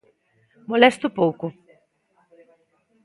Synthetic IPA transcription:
molɛst̪opowko

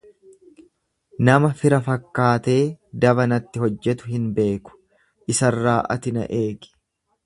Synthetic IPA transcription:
nɐmɐfɪɾɐfɐkːaːt̪e̞ːd̪ɐβɐnɐt̪ːɪɦɔd͡ʒːɛt̪ʊhɪnbe̞ːkʊ̥ | ʔɪsɐrːaːʔɐt̪ɪnɐ̰ʔe̞ːɡɪ̥

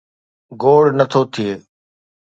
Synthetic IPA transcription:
ɡoːɽ̤nət̪ʰoːt̪ʰɪeː

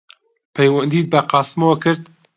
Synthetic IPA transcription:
pʰɛjwɐnd̪iːt̪̚bɐqɑːsmowɐkʰɨɾd̪

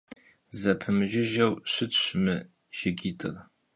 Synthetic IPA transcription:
zɐpʰɨmɨʒɪʒɐwɕʷɨtɕʷmɨ | ʒ̥ɪɡʲiːtʰɨr

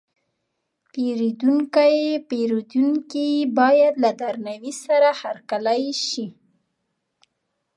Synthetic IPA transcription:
peɾid̪uŋkajepeɾid̪unkibɑjad̪lad̪aɾnawisaɾahaɾkalajʃi

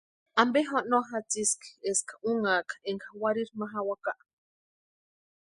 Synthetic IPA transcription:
ambeɦoʔnoɦat͡siski̥eskḁuŋakeŋkawaɾiɾmaɦawakaʔ

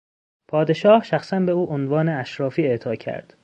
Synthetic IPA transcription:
pʰɒːd̪e̞ʃɒːhʃæxsænbe̞uːʔonvɒːneæʃɾɒːfiːe̞t̪ʰɒːcʰæ̰ɾd̪̥

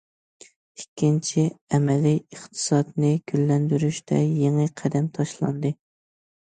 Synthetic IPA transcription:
ikʲːint͡ʃʰiɛmɛliəχt̪ʰɨ̥sɑd̪nɨɡ̥ʲylːɛnd̪yɾyʃt̪ɛjeŋɨqʰɛd̪ɛmt̪ʰɑʃlˠɑ̰nd̪ɨ

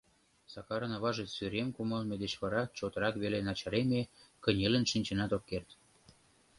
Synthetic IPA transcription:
sɑkɑɾə̆nɑβɑʒesyɾemkuməlmed̪et͡ɕβɑɾɑt͡ɕot̪əɾɑkβelenɑt͡ɕɑɾemekə̆nʲelə̆nʃinʲt͡ɕenɑt̪okːert̪

